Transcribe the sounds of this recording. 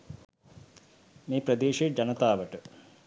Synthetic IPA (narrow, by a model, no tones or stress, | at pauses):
meːpɾəd̪eːʂed͡ʑɐnət̪aːʋəʈə